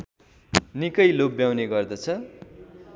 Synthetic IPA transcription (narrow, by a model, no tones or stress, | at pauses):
nikʌjlok̚bjawneɡʌrd̪ʌt͡sʰʌ